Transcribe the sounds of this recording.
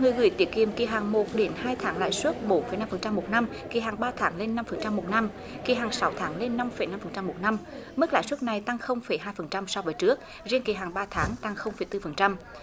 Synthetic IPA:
ŋɨ˨˩əjɣɨ̰˨˧˩jt̪i˨˩˦əki˨˩əmki˨˩ɦaː˨˩ŋmo˨˩t̚ɗe˨˦nhaː˧jt̪ʰaː˨˦ŋla̰ː˧˨jswu˦˥t̚ɓo˨˦nfə˨˩jna˧mfə˨˩nt͡ɕa˧mːmo˨˩t̚na˧m | ki˨˩ɦaː˨˩ŋɓaː˧t̪ʰaː˨˦ŋle˧nːa˧mfə˨˩nt͡ɕa˧mːmo˨˩t̚na˧m | ki˨˩ɦaː˨˩ŋsa˨˦wt̪ʰaː˨˦ŋle˧nːa˧mfə˨˩jna˧mfə˨˩nt͡ɕa˧mːo˨˩t̚na˧mmɨ˦˥k̚la̰ː˧˨jswu˦˥t̚na˨˩jt̪a˧ŋxə˧wŋ͡mfə˨˩jɦaː˧jfə˨˩nt͡ɕa˧msa˧wvəː˨˦jt͡ɕɨ˦˥ək̚ | zi˧nki˨˩ɦaː˨˩ŋɓaː˧t̪ʰaː˨˦ŋt̪a˧ŋxə˧wŋ͡mfə˨˩jt̪ɨ˧fə˨˩nt͡ɕa˧m

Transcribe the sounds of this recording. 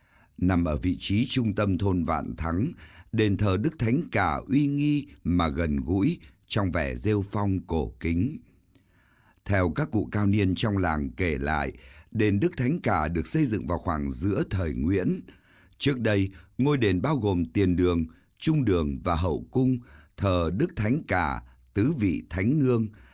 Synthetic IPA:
na˨˩mʔəː˧˩vḭ˧˨t͡ɕi˨˦t͡ɕʊ˧ŋ͡mt̪ə˧mt̪ʰo˧nva̰ː˧˨nt̪ʰa˨˦ŋɗe˨˩nt̪ʰəː˨˩ɗɨ˦˥k̚t̪ʰa˨˦jŋ̟kaː˧˩ʔwi˧ŋi˧maː˨˩ɣə˨˩nɣṵ˧˥j | t͡ɕɔ˧wŋ͡mvɛ˧˩ze˧wfɔ˧wŋ͡mko˧˩kï˨˦ŋ̟ | t̪ʰɛ˧wkaː˦˥kːṵ˧˨kaː˧wni˧ənt͡ɕɔ˧wŋ͡mlaː˨˩ŋke˧˩la̰ː˧˨jɗe˨˩nɗɨ˦˥k̚t̪ʰa˨˦jŋ̟kaː˧˩ɗɨ˨˩ək̚sə˧jzɨ̰˧˨ŋvaː˨˩wxwaː˧˩ŋzɨ̰˧˥ət̪ʰəː˨˩jŋwḭ˧˥ən | t͡ɕɨ˦˥ək̚ɗə˧jŋo˧jɗe˨˩nɓaː˧wɣo˨˩mt̪i˨˩ənɗɨ˨˩əŋ | t͡ɕʊ˧ŋ͡mɗɨ˨˩əŋvaː˨˩ɦə̰˧˨wkʊ˧ŋ͡mt̪ʰəː˨˩ɗɨ˦˥k̚t̪ʰa˨˦jŋ̟kaː˧˩ | t̪ɨ˨˦vḭ˧˨t̪ʰa˨˦jŋ̟nɨ˧əŋ

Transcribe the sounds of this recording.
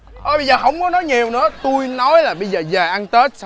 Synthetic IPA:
ʔəː˨˧˩ɓə˧jzəː˨˩ɦə˧wŋ͡mkɔ˨˦nɔ˨˦jɲi˨˩əwnɨ̰˧˥ət̪u˧jnɔ˨˦jlaː˨˩ɓə˧jzəː˨˩zəː˨˩ʔa˧nt̪e˦˥t̚s

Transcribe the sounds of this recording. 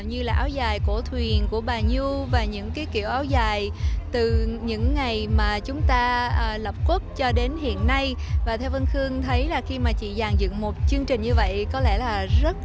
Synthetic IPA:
wɲɨ˧laː˨˩ʔaː˨˦wzaː˨˩jko˧˩ət̪ʰwi˨˩ənku˧˩əɓaː˨˩ɲu˧vaː˨˩ɲɨ̰˧˥ŋkaː˨˦jkḭ˧˩əwʔaː˨˦wzaː˨˩jt̪ɨ˨˩ɲɨ̰˧˥ŋːa˨˩jmaː˨˩t͡ɕʊ˨˦ŋ͡mt̪aː˧ʔːlə˨˩p̚kwu˦˥p̚t͡ɕɔ˧ɗe˨˦nhḭ˧˨ənːa˧jvaː˨˩t̪ʰɛ˧wvə˧nxɨ˧əŋt̪ʰə˨˦jlaː˨˩xi˧maː˨˩t͡ɕḭ˧˨zaː˨˩ŋzɨ̰˧˨ŋmo˨˩t̚t͡ɕɨ˧əŋt͡ɕï˨˩ŋ̟ɲɨ˧və̰˧˨jkɔ˨˦lɛ̰˧˩laː˨˩zə˦˥t̚

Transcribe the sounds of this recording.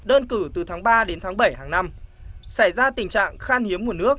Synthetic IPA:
ɗəː˧nkɨ˧˩t̪ɨ˨˩t̪ʰaː˨˦ŋɓaː˧ɗe˨˦nt̪ʰaː˨˦ŋɓə˧˩jhaː˨˩ŋna˧m | sa˧˩jzaː˧t̪ï˨˩ŋt͡ɕa̰ː˧˨ŋxaː˧nhi˨˦əmː˨˩t̚nɨ˦˥ək̚

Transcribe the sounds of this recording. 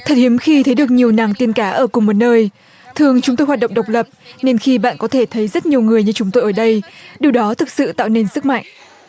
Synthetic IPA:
t̪ʰə˨˩t̚hi˨˦əmxi˧t̪ʰə˨˦jɗɨ˨˩ək̚ɲi˨˩əwna˨˩˦ŋt̪i˧ənkaː˨˦ʔəː˧˩kʊ˨˩ŋ͡mmo˨˩t̚nəː˧j | t̪ʰɨ˨˩əŋt͡ɕʊ˨˦ŋ͡mt̪o˧jɦwaː˨˩ɗə̰˧˨ŋ͡m̚ɗə˨˩wk͡p̚lə˨˩p̚ne˧nxi˧ɓa̰ː˧˨nkɔ˨˦t̪ʰe˧˩t̪ʰə˨˦jzə˦˥t̚ɲi˨˩əwŋɨ˨˩əjɲɨ˧t͡ɕʊ˨˦ŋ͡mt̪o˧jʔəː˧˩ɗə˧jɗi˨˩əwɗɔ˨˦t̪ʰɨ˨˩k̚sɨ̰˧˨t̪a̰ː˧˨wne˧nsɨ˦˥k̚ma̰˧˨jŋʔ

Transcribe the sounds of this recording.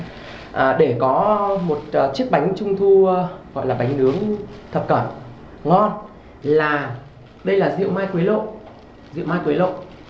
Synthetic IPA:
ʔːɗe˧˩kɔ˨˦mo˨˩t̚ːt͡ɕi˦˥ək̚ɓa˨˦jŋ̟t͡ɕʊ˧ŋ͡mt̪ʰu˧ɣɔ̰˧˨jlaː˨˩ɓa˨˦jŋ̟nɨ˨˦əŋt̪ʰə˨˩p̚kə˧˩n | ŋɔ˧n | laː˨˩ | ɗə˧jlaː˨˩zḭ˧˨əwmaː˧jkwi˨˦lo̰˧˨ | zḭ˧˨wmaː˧jkwi˨˦lo̰˧˨

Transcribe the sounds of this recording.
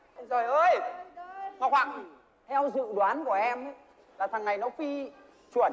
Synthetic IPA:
zo˨˩jʔəː˧j | maː˨˩kwaː˧˩ŋ˨ | hɛ˧wzɨ̰˧˨ɗwaː˨˦nku˧˩əʔɛ˧m˦ | laː˨˩t̪ʰa˨˩ŋːa˨˩jnɔ˨˦fi˧ | t͡ɕu˧˩ə˩

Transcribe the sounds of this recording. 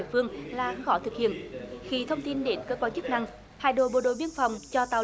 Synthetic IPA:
əfɨ˧əŋlaː˨˩xɔ˧˦t̪ʰɨ˨˩k̚hḭ˧˨ənxi˧t̪ʰə˧wŋ͡mt̪i˧nɗe˨˦nkəː˧kwaː˧nt͡ɕɨ˦˥k̚na˧ŋ | ha̰ː˧˨jɗo̰˧˨ɓo˨˩ɗo̰˧˨ɓi˧ənfa˨˩wŋ͡mt͡ɕɔ˧t̪aː˧˩

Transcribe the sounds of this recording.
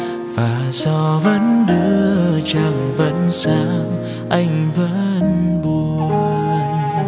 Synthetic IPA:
vaː˨˩zɔ˧˩və̰˧˥nɗɨ˧˥ət͡ɕaː˧˩ŋvə̰˧˥nsaː˧w | ʔa˧jŋ̟və̰˧˥nɓu˧˩ | n

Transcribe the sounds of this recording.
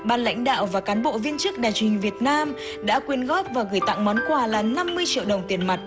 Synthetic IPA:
ɓaː˨˩nla̰˧˥jŋ̟ɗa̰ː˧˨wvaː˨˩kaː˨˦nɓo̰˧˨vi˧ənt͡ɕɨ˦˥k̚ɗaː˨˩jt͡ɕi˨˩ŋ̟vi˨˩ət̚naː˧m | ɗa̰ː˧˥kwi˨˧˩ənɣɔ˦˥p̚vaː˨˩ɣɨ˧˩jt̪a̰˧˨ŋmɔ˨˦nkwaː˨˩laː˨˩na˧mːɨ˧əjt͡ɕḭ˧˨əwɗə˨˩wŋ͡mt̪i˨˩ənma˨˩t̚

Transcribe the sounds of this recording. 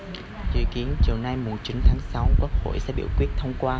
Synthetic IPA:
zɨ̰˧˨ki˨˦ənt͡ɕi˨˩əwna˧jmu˨˩t͡ɕi˨˦nt̪ʰaː˨˦ŋsa˨˦wkwu˦˥k̚ho̰˧˨jsɛ̰˧˥ɓḭ˧˨əwkwi˦˥ət̚t̪ʰə˧wŋ͡mkwaː˧

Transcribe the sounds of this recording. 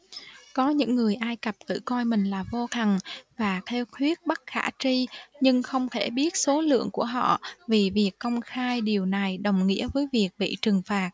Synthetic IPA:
kɔ˨˦ɲɨ̰˧˥ŋːɨ˨˩əjʔaː˧jkə˨˩p̚k̪ɨ̰˧˩kɔ˧jmï˨˩ŋ̟laː˨˩vo˧t̪ʰa˨˩ŋvaː˨˩t̪ʰɛ˧wxʰwi˦˥ət̚ɓa˦˥t̚xa̰ː˧˩t͡ɕi˧ɲɨ˧ŋxə˧wŋ͡mt̪ʰe˧˩ɓi˦˥ət̚so˨˦lɨ̰˧˨əŋku˧˩əɦɔ̰˧˨vi˨˩vi˨˩əkːə˧wŋ͡mxaː˧jɗi˨˩əwna˨˩jɗə˨˩wŋ͡mŋḭ˧˥əvəː˨˦jvi˨˩ək̚ɓḭ˧˨t͡ɕɨ˨˩ŋfaː˨˩t̚

